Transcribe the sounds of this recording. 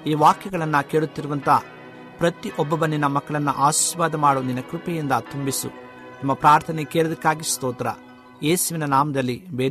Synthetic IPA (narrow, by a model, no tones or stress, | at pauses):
iːʋaːkjɐɡɐɭɐnːɐkeːɭut̪ːiɾuʋɐnt̪ɐː | pɾɐt̪iʔɔbːɐbɐnːinːɐmɐkːɐɭɐnːɐ̰ʔaːʃi̥ːʋaːd̪ɐmaːɽuninɐkɾupɛjind̪ɐt̪umbisṵ | nɐmːɐpɾaːɾt̪ʰɐnekɛːɭɐd̪ɐkːaːɡist̪ɔːt̪ɐɾɐ̰ | eːsuʋinɐnaːmɐd̪ɐlːibeː